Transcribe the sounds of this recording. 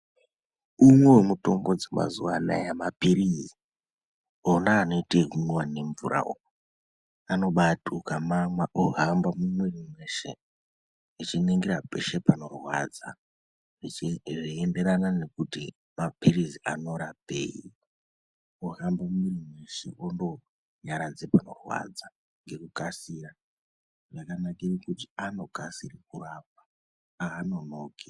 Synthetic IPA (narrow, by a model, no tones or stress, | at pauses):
umwe̞wemuto̞mɡo̞d͡zema̰zuwana̰jamapiɾizi | onaːno̞iteɦunwane̞ɱvṵɾa̰o̰ | ano̞ɓatukamamwaʔoɦambamumwerimwe̞ːʃḛ | rit͡ʃineŋɡerape̞̰ʃe̞pano̞rwa̰d͡za̰ | ʐiʐiende̞ɾanane̞kuti | mapiriziʔa̰no̞ɾapḛi | oɦambammwirimwe̞ʃe̞̰ʔondo̞ | ɲaɾad͡zepano̞̰rwa̰d͡za | ŋɡe̞kukasira | ʐakanakirikutiano̞kasirik̚urap̚ḁ | aːno̞noːke